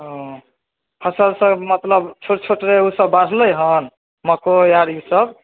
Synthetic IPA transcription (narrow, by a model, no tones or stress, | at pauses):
ɦɔ̃ | pʰəsəɾsə̃mət̪ləbt͡ʃʰoʈt͡ʃʰoʈɾeusəbːaɽ̤ɾ̤ʱləjɦən | məkojaɾusəb